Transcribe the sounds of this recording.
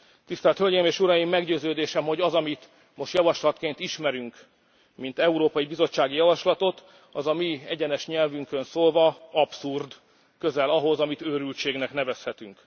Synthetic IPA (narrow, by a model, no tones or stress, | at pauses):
t̪ist̪ɛːlt̪hølɟeːmeːʃuɾɒjimːɛɡɟøːzøːd̪eːʃɛmho̞ɟɒzɒmit̪ | mo̞ʃt̪jɒvɒʃlɒt̪keːnt̪iʃmɛɾyŋk | mint̪ɛuɾoːpɒjibizo̞t͡ʃːaːɡijɒvɒʃlɒt̪o̞t̪ | ɒzɒmiɛɟɛnɛʃɲɛlvyŋkønsoːlvɒɒpsurd̪ | kø̞zɛlɒɦo̞zɒmit̪øːɾylt͡ʃeːɡnɛknɛvɛshɛt̪yŋk